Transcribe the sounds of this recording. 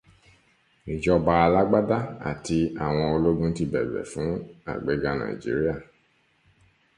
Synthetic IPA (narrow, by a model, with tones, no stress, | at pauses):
ĩ˨d͡ʒɔ˧ba˧a˧la˦ɡ͡ba˦da˦a̰˨ti˧a˨w̃ɔ̃˧o˧lo˦dũ˦n̩˦ti˧bɛ̰˨bɛ̰˨fũ˨˦a̰˨ɡ͡be˨ɡa˧nã̰˨ḭ˨d͡ʒḭ˨˦ɾi˦a˦˨